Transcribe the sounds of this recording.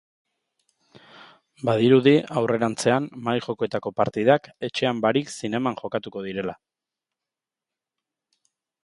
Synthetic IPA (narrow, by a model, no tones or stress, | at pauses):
bað̞iɾuðiawre̞ɾant͡se̞amːajʝo̞ko̞e̞t̪ako̞paɾt̪iðake̞t͡ʃe̞ambaɾiksine̞maŋʝo̞kat̪uko̞ð̞iɾe̞la